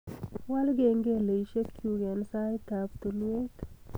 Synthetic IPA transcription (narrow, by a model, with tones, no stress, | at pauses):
walɡeŋɡelə˨jʃe˦kʰju˨ɡe˨nsa˦jt̪a˨bt̪ɨ˨lu˦e˦t̪